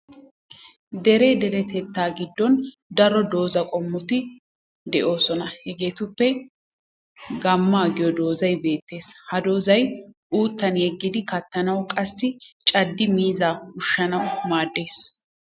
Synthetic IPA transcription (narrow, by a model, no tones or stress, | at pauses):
d̪ɛɾe̞ːd̪ɛɾɛt̪ɛt̪ːaːɡɪd̪ːɔn | d̪ɐɾɔd̪o̞ːzɐkʼɔmːʊt̪ɪ | d̪ɛʔo̞ːsɔnɐhɛɡe̞ːt̪ʊpːɛ | ɡɐmːaːɡɪjɔd̪o̞ːzɐjbe̞ːt̪ːe̞ːshɐd̪o̞ːzɐjʔuːt̪ːɐnjɛɡːɪd̪ɪkɐt̪ːɐnɐwkʼɐsːɪt͡ʃʼɐd̪ːɪmiːzaːʊʃːɐnɐwmaːd̪ːe̞ːs